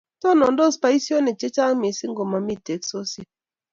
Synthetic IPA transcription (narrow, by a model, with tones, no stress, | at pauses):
tɔ˦nɔ˨n˦do˦˨spa˨˦i˦si˦o˦ne˨t͡ʃe˦t͡ʃa˦ŋ˦mi˨si˦ŋ̩˦ɡo˨ma˨mi˦˨te˨˦kso˦si˦